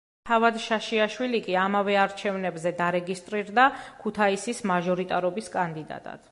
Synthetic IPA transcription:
t̪ʰavad̪ʃaʃiaʃwilikʼiamavɛaɾt͡ʃʰɛvnɛbzɛd̪aɾɛɡist̪ʼɾiɾd̪akʰut̪ʰaisismaʒɔɾit̪ʼaɾɔbiskʼand̪id̪a̰t̪ʼa̰d̪̥

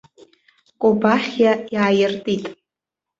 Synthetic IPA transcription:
kʷʼobaχʲjajaːjɪrtʼitʼ

